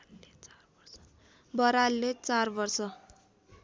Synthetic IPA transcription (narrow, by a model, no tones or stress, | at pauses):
bʌɾalːet͡sarbʌrsʌ